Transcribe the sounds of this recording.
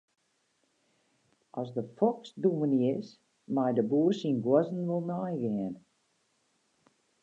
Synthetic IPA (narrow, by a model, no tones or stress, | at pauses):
ʔɔsdəfɔksdumənɪs | majdəbuːsinɡwɔzn̩ʋolˠnajɡɪən